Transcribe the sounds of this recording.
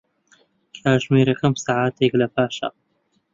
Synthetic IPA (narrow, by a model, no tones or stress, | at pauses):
kʰaːʒmeːɾɐkʰɐmsaːʕaːt̪ʰeklɐpʰaːʃɐ̰